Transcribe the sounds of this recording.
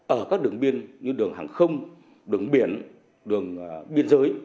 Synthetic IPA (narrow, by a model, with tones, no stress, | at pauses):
ʔəː˧˩kaː˦˥k̚ɗɨ˨˩əŋɓi˧ənɲɨ˧ɗɨ˨˩əŋhaː˨˩ŋxə˧wŋ͡m | ɗɨ˨˩əŋɓi˧˩ən | ɗɨ˨˩əŋɓi˧ənzəː˨˦j